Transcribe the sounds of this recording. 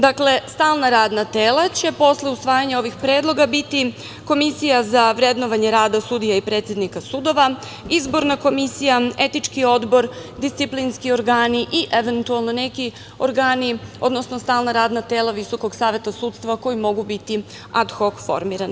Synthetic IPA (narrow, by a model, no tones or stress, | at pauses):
d̪akle̞st̪aːlˠnaɾaːd̪nat̪eːlat͡ɕe̞po̞sle̞usʋaːjaɲao̞ʋixpɾeːd̪lˠo̞ɡabit̪i | ko̞misijazaʋɾe̞d̪no̞ʋaɲeɾaːd̪asud̪ijaipɾe̞t̪sʲje̞d̪nikasud̪o̞ʋa | izbo̞ɾnako̞misijae̞t̪it͡ʃkio̞d̪bo̞ɾd̪ist̪siplinskio̞ɾɡaːniʔiʔe̞ʋe̞nt̪ualˠnone̞ki | o̞ɾɡaːnio̞d̪no̞snost̪aːlˠnaɾaːd̪nat̪e̞ːlˠaʋiso̞ko̞ɡsaːʋe̞t̪asuːt̪st̪ʋako̞jimo̞ɡubit̪i | ad̪xo̞kfo̞̰ɾmiɾan